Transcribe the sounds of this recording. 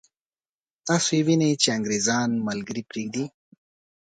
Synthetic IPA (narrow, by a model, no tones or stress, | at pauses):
t̪ɑsoewinet͡ʃeaŋɡɾezɑːnmalɡəɾipɾeːɡ̚d̪i